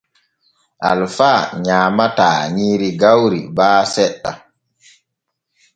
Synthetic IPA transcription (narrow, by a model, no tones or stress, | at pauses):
ʔa̰lfaːɲaːmataːɲiːɾiɡawɾibaːsɛɗːa̰